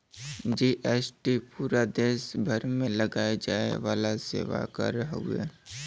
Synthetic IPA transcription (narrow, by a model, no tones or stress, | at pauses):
d͡ʒiːʔɛːsʈipuːɾad̪eːʃbʱɐɾmẽlɐɡaːed͡ʒaːḛʋaːlasḛːʋa̰kə̰ɾɦṵḛ